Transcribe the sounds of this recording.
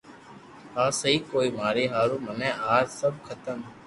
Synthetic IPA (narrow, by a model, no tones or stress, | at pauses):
aːsəɦiːkoːiːmaːɾiːɦaːɾũːmənɛ̃ːaːd͡ʒsəb̚kʰət̪əm